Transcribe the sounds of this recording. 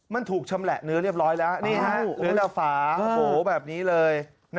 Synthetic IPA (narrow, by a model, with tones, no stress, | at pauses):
ma˧nt̪ʰuː˨˩k̚t͡ɕʰa˧mlɛ˨˩ʔnɯ˦˥ɾi˥˩əp̚ɾɔː˦˥jlɛː˦˥wniː˥˩a˦˥lɯː˨˩˦t̪ɛ˨˩faː˩˦˧o˧hoː˨˩˦bɛː˨˩p̚niː˦˥lɤː˧j | n